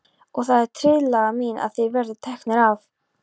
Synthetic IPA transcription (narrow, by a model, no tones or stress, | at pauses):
ɔɣθaðɛɾ̥t̪ʰɾɪðlaɣamiːnʔa̰ðθejvɛɾðʏt̪ʰɛhknɪɾav